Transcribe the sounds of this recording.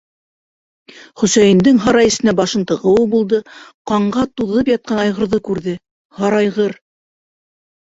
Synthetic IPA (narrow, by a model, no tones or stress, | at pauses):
χɵ̆sæjɘ̆nd̪ɘŋɦɑɾɑjɘ̆sɘ̆næbɑʃɤnt̪ɤ̆ʁɤ̆wɤbulˠd̪ɤqɑɴɢɑt̪uðɤpjɑt̪̚qɑnɑjʁɤ̆ɾðɤkʉɾðɘ | hɑɾɑjʁɤɾ